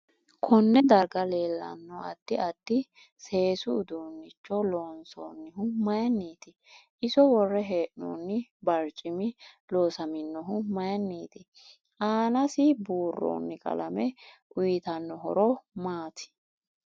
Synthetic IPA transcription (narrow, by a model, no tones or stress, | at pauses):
kʰɔnːɛd̪ɐɾɡɐleːlːɐ̰nːɔɐd̪̥ːɪɐd̪̥ːɪ | se̞ːsʊʊd̪uːnːɪt͡ʃːɔloːnso̰ːnːɪɦʊmɐjɐnːiːt̪ɪ | ʔɪsɔwɔrːɛɦeːʔno̰ːnːɪbɐɾt͡ʃʼɪmɪloːsɐmɪnːɔɦʊmɐjɐnːiːt̪ɪ | ʔaːnɐsɪbuːrːo̰ːnːɪkʼɐ̰lɐmɛʔʊjɪt̪ɐnːɔɦɔ̰ɾɔmaːt̪ʰɪ̥